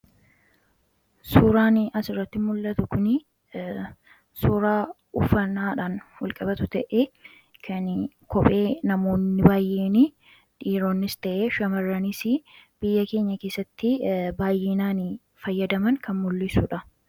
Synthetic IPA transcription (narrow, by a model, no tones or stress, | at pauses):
suːɾaːnɪɐsɪrːɐt̪ːɪmʊlːɐt̪ʊkʊnɪ | suːɾaː | ʊfɐnaːᶑaːnwɔlkʼɐbɐt̪ʊt̪ɐʔe | kʰɐn | kʰɔpʼe̞ːnɐmo̞ːnːɪbaːjʔeːnɪ | ᶑiːɾo̞ːnːɪst̪ɐʔeːʃɐmɐrːɐnɪsɪb̥ɪjːɐke̞ːɲːɐke̞ːsːɐt̪ːɪbaːjʔeːnaːnɪ | fɐjːɐd̪ɐmɐnkʰɐnmʊlːɪsuːᶑɐ